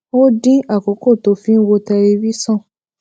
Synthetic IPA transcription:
o˦dĩ˦a˦˨ko˨˦ko˦˨to˧˦fĩ˦n̩˦wo˧tɛ˧ɾe˧bi˦sɔ̃˦˨

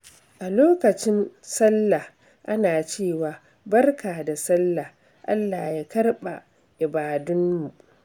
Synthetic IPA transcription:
ʔa˨loː˦kɐ˨t͡ʃɪ˦nsɐ˦lːa˨h | ʔa˦naː˨t͡ʃeː˦˨waː˨ | bɐ˦rkaː˨da˨sɐ˦lːa˨h | ʔa̰˦lːaː˨jaː˦kɐ˦rɓa̰˨ | ʔɪ˨baː˨dʊ˦nmu˨ʔ

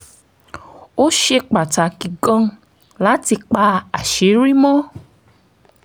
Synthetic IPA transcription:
o˦ʃe˧k͡pa˨ta˨ki˨ɡã˧ | la˨˦ti˧k͡pa˧a˨ʃe˨˦ɾi˦mɔ̃˦

